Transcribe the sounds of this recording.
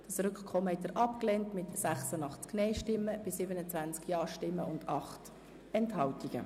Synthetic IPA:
d̥ɑsɾʏkχkʰɔmːəhɛt̪əɾʔɑpklɛntmɪtsæχsənɑχt͡sknɛɪʃtɪmːəb̥ɪsɪbənət͡sʋænt͡skjɑːʃtɪmːəʊndɑχt | ɛnthɑltiɡ̥ə̰

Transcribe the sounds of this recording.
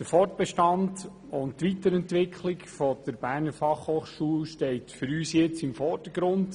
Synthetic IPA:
d̥əɾfɔrt̚b̥ɛʃtɑnd | ʊnttʋitəɾɛntʋɪkʰχlɪkfɔd̥̪əɾbæːɾnəɾfɑχhoːχʃuːlʃtɛɪtfʏɾyːsjɛt͡sɪmfɔrd̥əɡ̥ɾʊnd

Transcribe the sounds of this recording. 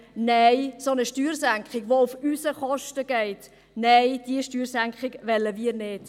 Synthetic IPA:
nɛɪsonəʃtyːɾsæŋkχɪɡʋoufysəχɔʃtəɡ̥ɛɪt | nɛjd̥iəʃtyːɾsæŋkχɪɡʋɛlːəmiːəɾnɪːd̥

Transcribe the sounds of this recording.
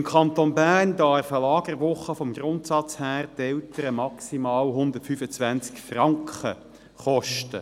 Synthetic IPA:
mkʰɑnt̪onbæːʁndɑɾfəlɑːɡ̥ərʋʊχəfɔmɡrʊntsɑt͡shæːʁtɛltəɾəmɑksimɑːlɦʊnd̪ətfyfət͡sʋænt͡skfrɑŋkχə | χɔʃtə

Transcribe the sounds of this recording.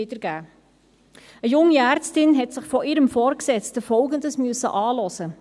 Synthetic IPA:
idəɾɡ̥æː | əjʊŋːiæːɾt͡stɪnɦɛtsɪχfɔʔɪɾəmfɔːɾksɛt͡stəfɔlɡəndəsmyəsə̰ʔɑːlɔsə

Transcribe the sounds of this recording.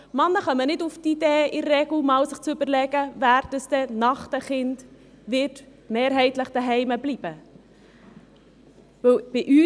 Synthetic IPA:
mɑnːəχɑmːənɪduftideːɪrːɛɡl̩mɑwsɪχt͡sʏbəɾlɛɡ̥əvæːɾd̥əsd̥ɛnɑχtəχɪnd | vɪt | meːɾɦɛɪtləχd̥əɦɛɪməbliːb̥ə | vɵwb̥ɪʔyː

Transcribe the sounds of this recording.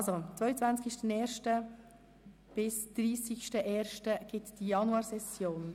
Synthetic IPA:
ɑlzot͡sʋœʏət͡sʋænt͡skɪʃtənɛːɾʃtə | b̥ɪsd̥ɾiːsɪçʃtəʔɛːɾʃtəɡ̥ɪtd̥ijɑnuɑːɾsɛsjoːn

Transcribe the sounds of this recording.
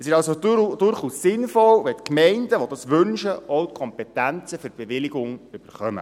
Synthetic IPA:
ɛsɪʃɑlsod̥ʊɾχuːsːɪnfɔlʋɛtkmɛɪndəʋodɑsʋʏnʃəʔɔʊt̚kʰɔmpɛtænt͡səføɾb̥eʋɪlɪɡʊŋʏb̥əɾχœmə̰

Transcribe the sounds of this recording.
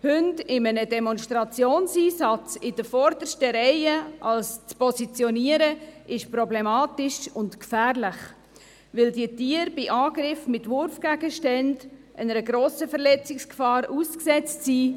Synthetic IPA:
hʏntɪmənədɛmɔnʃtɾɑt͡sjoːnsiːsɑt͡sɪd̥əfɔɾdəɾʃtəɾɛɪəʔɑlst͡spɔsit͡sjɔniəɾəʔɪʃpɾɔblemɑːtɪʃʊntkfæːrlɪχ | vɪldiːtiːəɾbɪʔɑːɡɾɪfmɪtvʊɾfɡ̥æɡ̥əʃtɛndʔənəɾəɡɾoːsəfəɾlɛt͡sɪkskfɑːɾuːsksɛt͡stsiː

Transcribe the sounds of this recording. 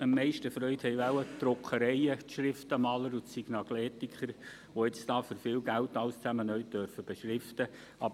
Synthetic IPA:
əmːɛɪʃtəfɾœʏthɛjʋæwət̪ɾʊkχəɾɛɪətʃɾɪftəmɑːləɾʊtsiɡ̥nɑklɛːtikχəɾ | ʋoɪt͡sd̥ɑːføɾfɪːlɡæltɑʊst͡sæmənœʏtdœɾfəb̥eʃɾɪftə | ɑb

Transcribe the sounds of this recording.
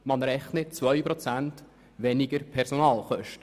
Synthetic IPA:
mɑnɾɛχnət͡svœʏpɾɔt͡sænt | ʋɛniɡəɾpʰɛɾsonɑːlχœʃtə

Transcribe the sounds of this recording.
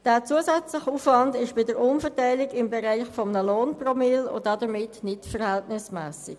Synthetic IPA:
d̥æːt͡suəzɛt͡slɪχuːfvɑndɪʃb̥ɪdəɾʊnfəʁtaɪlɪɡɪmbeʁaɪχfɔmənəloːnpromɪlʊ̰dɑdəmɪtnɪtfəʁhɛltnɪsmɛːsɪk

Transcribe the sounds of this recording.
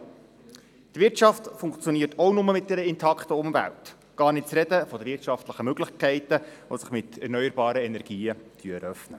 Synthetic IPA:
t̪ʋɪɾtʃɑftfʊŋkt͡sjɔniːətɔwnʊməmɪt̚dɛɾəɪntʰɑkχtəʊmvæ̰lt | ɡ̥ɑːrnɪt̚t͡sɾɛdəfɔd̪əʋɪrtʃɑftləχəmøɡlɪχkʰɛɪtəʋosəχmɪtɛɾrnœʏəɾbɑːɾəɛnɛɾɡ̥iːət̪ʰyəɛɾœfnə

